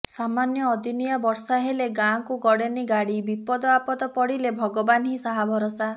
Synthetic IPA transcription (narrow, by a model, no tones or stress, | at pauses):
ssamanjɔːd̪ʱinijabɔɾsaɦeleɡãkuɡɔɽeniɡaɽibipɔd̪ɔapɔt̪ɔpɔɽilebʱɔɡɔbanɦĩsaɦabʱɔɾɔsa